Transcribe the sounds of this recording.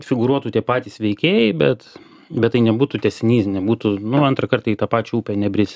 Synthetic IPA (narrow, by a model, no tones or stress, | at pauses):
fʲɪɡʊɾuɔt̪uːt̪ʲiɛpɑːt̪ʲiːsʋʲɛɪkʲeːjɛɪbʲɛt̪ | bʲɛt̪t̪ːɐɪnʲɛbuːt̪ut̪ʲɛsʲɪnʲiːsnʲɛbuːt̪ʊnʊɐnt̪ɾɐkɐrt̪ɐit̪ɑːpɑːt͡ʃʲɛuːpʲɛnʲɛbʲɾʲɪsʲ